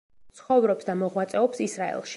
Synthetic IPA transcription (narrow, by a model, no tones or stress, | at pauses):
t̪sʰχɔvɾɔpsd̪amɔʁwat̪sʼɛɔpsisɾaɛ̰lˠʃ